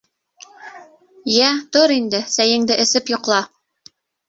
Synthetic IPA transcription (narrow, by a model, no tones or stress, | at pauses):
jæt̪oɾind̪ɘsæjɘ̆ŋd̪ɘʔɘ̆sɘpjŏqlˠɑ